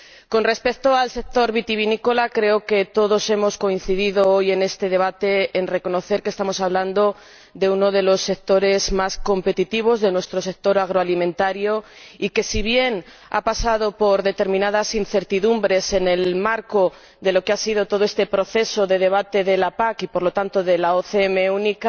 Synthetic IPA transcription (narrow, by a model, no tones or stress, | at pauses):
ko̞nre̞spe̞kt̪oalse̞k̚t̪o̞ɾβit̪iβinikolakɾe̞oket̪o̞ðo̞se̞mo̞sko̞in̟θiðiðooje̞ne̞st̪e̞ð̞e̞β̞at̪e̞ːnre̞ko̞no̞θe̞ɾkest̪amo̞saβland̪o̞ | d̪e̞uno̞ð̞e̞lo̞sːe̞k̚t̪o̞ɾe̞zmasko̞mpe̞t̪it̪iβ̞o̞zðe̞nwest̪ɾo̞se̞k̚t̪o̞ɾaɣ̞ɾoalimẽnt̪aɾjo̞ike̞siβje̞n | a̰pasað̞opo̞ɾðe̞t̪e̞ɾmĩnað̞asinθe̞ɾt̪iðumbɾe̞se̞ne̞lmaɾko | ðe̞lokeasið̞o̞t̪o̞ð̞o̞est̪e̞pɾo̞θe̞so̞ðe̞ð̞e̞β̞at̪e̞ðe̞lapakipo̞ɾlo̞t̪ant̪o̞ðe̞laoθeeme̞unika